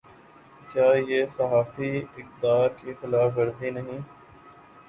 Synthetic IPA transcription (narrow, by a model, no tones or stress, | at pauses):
kjaːjesɐɦaːfiɪk̚d̪aːkexɪlaːfɐɾd̪inɐɦĩː